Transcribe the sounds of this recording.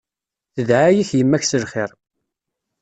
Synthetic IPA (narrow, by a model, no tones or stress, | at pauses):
θəðʕajiçjəmːæçsəlχɪɾˤ